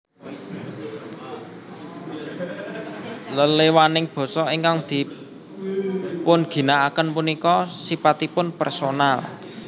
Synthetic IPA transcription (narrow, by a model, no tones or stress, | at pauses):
ləlewanɪŋb̥ɔ̤sɔiŋkaŋd̪̥i̤ | pʊnɡ̥i̤naakənpunikɔsipat̪ipʊnpɛrsonal